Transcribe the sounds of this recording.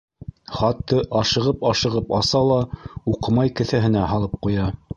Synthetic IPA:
χɑt̪ːɤʔɑʃɤ̆ʁɤpɑʃɤ̆ʁɤpɑsɑlˠɑuqɤ̆mɑjkɘ̆θæɦɘ̆næɦɑlˠɤp̚qujɑ

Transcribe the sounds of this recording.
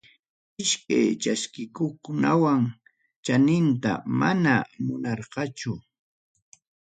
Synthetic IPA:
ɪʃkajt͡ʃaskɪkokʊnawaŋ | t͡ʃanɪnt̪a̰manamʊnɑɾqɑt͡ʃʊ

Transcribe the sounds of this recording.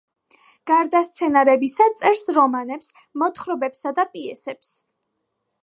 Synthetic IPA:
ɡ̥aɾd̪ast̪sʰɛnaɾɛbisat̪sʼɛɾsɾɔmanɛps | mɔt̪ʰχɾɔbɛpsad̪apʼiɛsɛps

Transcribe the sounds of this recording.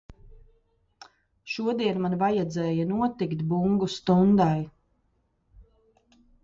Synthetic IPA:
ʃuɔd̪iɛnmanvajad̪zɛːjɐnuɔt̪ikt̪buŋɡust̪und̪aj

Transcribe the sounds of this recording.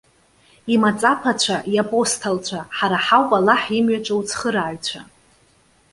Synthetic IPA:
imat͡sʼapʰat͡ɕʷʰaʔjapʼo̞stʰalt͡ɕʷʰaħaɾaħawpʼalaħimɥaʈ͡ʂʷʼawt͡sʰχəɾaːɥt͡ɕʷʰa

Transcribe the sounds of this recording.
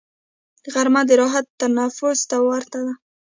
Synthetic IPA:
əɣaɾmad̪əɾɑɦat̪ːanafʊzt̪awaɾt̪ad̪a

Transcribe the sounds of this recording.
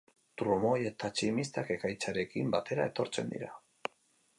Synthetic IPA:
t̪ɾumo̞je̞t̪at͡ʃimist̪ake̞kajt͡saɾe̞kimbat̪e̞ɾae̞t̪o̞ɾt͡se̞̰nd̪ḭɾa

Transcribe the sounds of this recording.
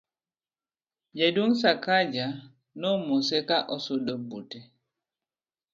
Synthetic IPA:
d͡ʒaduŋs̬akad͡ʒa | nɔmɔsɛkaʔɔsodɔbutɛ

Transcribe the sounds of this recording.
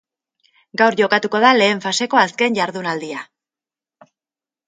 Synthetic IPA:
ɡawɾʝo̞kat̪uko̞ð̞ale̞ːɱfase̞ko̞aske̞nʝaɾðunald̪ia

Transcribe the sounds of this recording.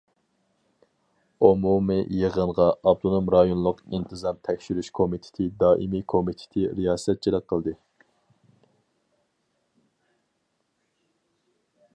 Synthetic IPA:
omumɨjəʁənʁɑɑp̚t̪ʰonumɾɑjonlˠʊqint̪ʰɨzɑmt̪ʰɛkʲʃyɾyʃkʰomit̪ʰɪ̥t̪ʰɪd̪ɑːʔimikʰomit̪ʰɪ̥t̪ʰɪɾijɑːsɛt̪̚t͡ʃʰilˠɨk̚qʰəlˠd̪ɨ

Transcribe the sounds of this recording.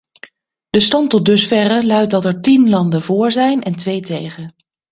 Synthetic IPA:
d̥əstɑntɔt̚dɵsfɛrəlœɥt̚dɑtɛɹtinlɑndəvʊːɹzɛjnɛntʋejtejχən

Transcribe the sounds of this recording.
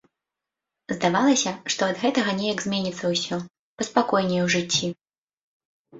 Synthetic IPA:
zd̪avalˠɐsʲɐʂt̪ɔɐd̪ɣɛt̪ɐɣɐnʲɛjɐɡzʲmʲenʲit̪sɐwsʲɔ | pɐspakɔjnʲɛwʐɨt͡sʲːi

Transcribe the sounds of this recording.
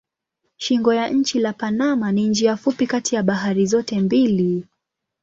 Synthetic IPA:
ʃiŋɡɔjaʔɲ̩t͡ʃilapanamanind͡ʒiafupikatijaɓaɦaɾizɔtɛmbili

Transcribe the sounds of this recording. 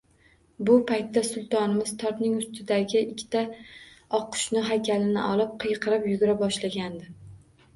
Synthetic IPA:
bʊpʰajt̪ːasʊlˠt̪ʰɒnɪmɪz̥t̪ʰɒp̪nɪŋʊst̪ʰɪd̪aɡʲɪʔɪkʲʰːt̪ʰaɒqʰːʊ̥ʃnɪɦakʲʰalɪnɪ̰ʔɒlˠɪp̚qʰɨjqʰɨɾɪpjʊɡʲʊɾabɒʃlaɡʲand̪ɪ

